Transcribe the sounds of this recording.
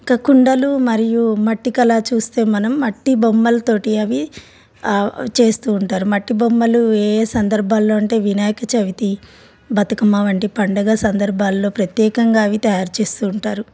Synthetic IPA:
kɐkuɳɖɐlumɐɾijumɐʈːikɐlaːt͡ʃuːst̪e̞ːmɐnɐmːɐʈːibomːɐlɐt̪o̞ːʈiɐʋi | t͡ʃe̞ːst̪uːɳʈaːɾumɐʈːibomːɐlueːsɐnd̪ɐɾbʱaːlːo̞ːɐɳʈe̞ːʋinaːjɐkɐt͡ʃɐʋit̪i | bɐt̪ɐkɐmaːʋɐɳʈipɐɳɖɐɡaːsɐnd̪ɐɾbʱaːlːo̞ːpɾɐt̪jɛːkɐŋɡaːɐʋit̪ɐjaːɾt͡ʃe̞ːst̪uːɳʈaːɾu

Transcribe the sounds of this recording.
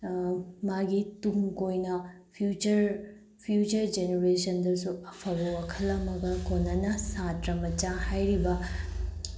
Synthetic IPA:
maɡituŋkojnɐ | pʰjut͡ʃɐɾ | pʰjut͡ʃɐɾd͡ʒeneɾesɐndɐsuɐpʰɐbɐwakʰɐlːɐmɐɡɐkʰonːɐnɐsatɾɐmɐt͡ʃahajɾibɐ

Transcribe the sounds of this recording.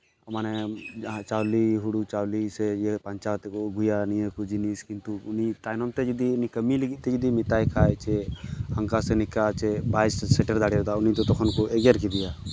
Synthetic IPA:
ɐmanɛt͡ʃaːwliɦuɽut͡ʃawlisɛjepəɲt͡ʃat̪ɛkoɡʱʊjanijəkud͡ʒiniskɪnt̪uʊnit̪aːjnɔmt̪ɛd͡ʒid̪iʊnikəmiliɡit̪̚t̪ɛd͡ʒɪd̪imɪt̪aːjkʰaːjt͡ʃɛhə̃ŋkasɛnɪkat͡ʃɛbaːɪssɛʈəɾd̪aːɽjod̪aʊnit̪ɔt̪ɔkʰɔnkɔɛɡjəɾkid̪ɪjaː

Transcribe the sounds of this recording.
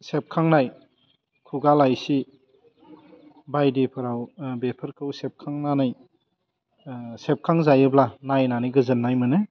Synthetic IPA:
sep̚kʰaŋnaj | kʰuɡalajsi | bajdipʰɯɾawbepʰɯɾkʰɯwsep̚kʰaŋnanɯj | sep̚kʰaŋzajɯblanajnanijɡɯzɯnːajmɯnɯ

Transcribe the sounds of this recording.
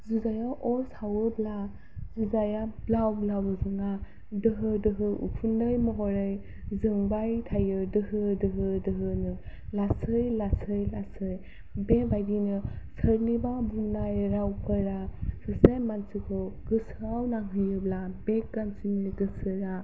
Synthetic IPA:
zuzajaʔɔsawɯbla | zuzajablawblawɯzɯŋa | dɯɦɯdɯɦɯʔṵkʰundɯjmɔɦɔɾɯj | zɯŋbajtʰajɯdɯɦɯdɯɦɯdɯɦɯnɯlasɯjlasɯjlasɯj | bebajdinɯsəɾnibabuŋnajɾawpʰəɾasɯsejmansikʰɔɡ̥ɯsɾawnaŋɦɯjɯblabekɡansimiɾɡɯsɯɾa

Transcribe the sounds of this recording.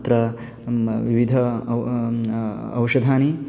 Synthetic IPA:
t̪ɾɐ | ʋiʋid̪ʱɐ | ɐ̰wʂɐd̪ʱaːni

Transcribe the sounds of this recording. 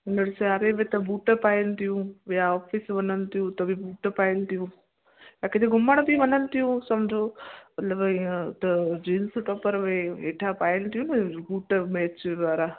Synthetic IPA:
ʊnəɽseaɾeʋet̪ɐbuːʈəpaːjɪnt̪ʰijũʋijaɔːfʰisʋɐnənt̪ʰijũt̪ɐbʱibuːʈəpaːɪnt̪ʰijũː | jakɪt̪ʰeɡʱʊməɽ̃bʱiʋɐnənt̪ijũsɐmd͡ʒʱoːmɐt̪ləbt̪ɐd͡ʒinsʈɔːpəɾʋeeːʈʰapaːjɪnt̪ijũnɐbuːʈəmɛːt͡ʃd̪ʋaːɾa

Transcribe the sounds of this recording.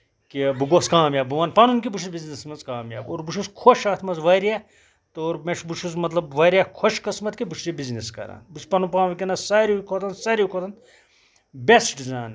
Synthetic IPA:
kibuɡoskaːmjaːbuʋɐːnpɐnunʲkʲibuʃʰuzbiznismɐnzkaːmja̰ːoːɾbuʃʰuskʰoʃaːt̪ʰmɐnzʋɐɾʲja | t̪oːɾmeʃbuʃʰuzmɐt̪lɐbʋɐɾʲakʰoʃkɐsmɐt̪kibuʃʰuzibizniskɐ̰ɾa̰ːnbuspɐnupãːnʋikʲinasaːɾikʰot̪ɐnsaɾʲikʰot̪ʰɐn | besɖizaːn

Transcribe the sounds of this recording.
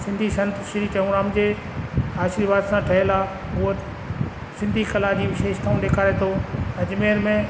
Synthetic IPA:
sɪ̃nd̪ʱisɐ̃nt̪ʃɪɾit͡ɕɐũɾaːmd͡ʑeː | aːʃiːɾʋaːd̪sãʈʰɐɦɪlaː | ʊət̪ | sɪ̃nd̪ʱikɐlaːd͡ʑiːʋɪʃeːʃt̪ʰaːũɗeːkʰaːɾet̪ʰoːɐd͡ʑmeːɾmẽ

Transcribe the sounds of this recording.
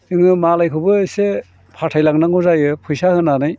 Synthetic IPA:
ɯŋɯmalajkʰɯbɯse | pʰatʰajlaŋnaŋuzajɯpʰujsahɯnːanɯj

